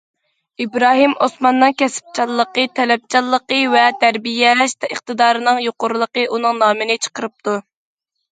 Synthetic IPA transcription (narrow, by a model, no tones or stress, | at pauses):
ibɾɑːɦimosmɑnːɨŋkʲʰɛsɪ̥p̚t͡ʃʰɑlˠːəqət̪ʰɛlɛp̚t͡ʃʰɑlˠːəqəvɛt̪ʰæɾbijɛʃt̪ɛəχt̪ɨd̪ɑːɾɨnɨŋjoqʊɾlˠəqəʔunɨŋnɑːmɨnɪt͡ʃʰə̥qəɾɨp̚t̪u